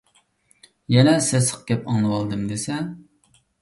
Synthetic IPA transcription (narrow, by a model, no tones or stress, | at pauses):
jɛnɛsesə̥q̚ɡʲɛpɑŋlˠɨwɑlˠd̪ɨmd̪esɛ